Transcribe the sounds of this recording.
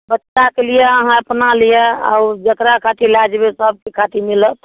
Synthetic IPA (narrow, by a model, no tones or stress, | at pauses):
bətːʃakelijɛəɦãəpnalijɛa̰ud͡ʒək̪ɾakʰat̪ilad͡ʒbesəb̚ʱkekʰat̪imilət̪ʰ